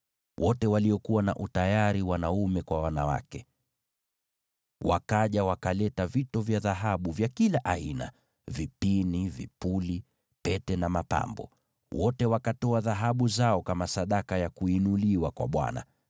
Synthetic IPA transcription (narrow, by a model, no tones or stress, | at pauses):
wʔɔtɛwaliɔkuwana̰ʔutajaɾiwanaumɛkwawanawa̰kɛ | wa̰kaʄawakalɛtavitɔvjaðaɦaɓuvjakilaʔaina̰ | vipinivḭpuli | pɛtɛnamapa̰mbɔ̰ | wʔɔtɛwakatɔaðaɦaɓuzaɔkamasaɗakajakuinuliwakwa̰ɓwa̰na̰